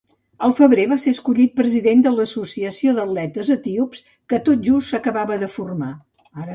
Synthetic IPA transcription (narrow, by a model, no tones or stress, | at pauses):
əlˠfəβɾeβaseəskuʎit̪̚pɾəziðend̪ələsusiəsioðəlɛt̪əzət̪iups | kət̪ot̪̚ʒust̪səkəβaβəðəfurma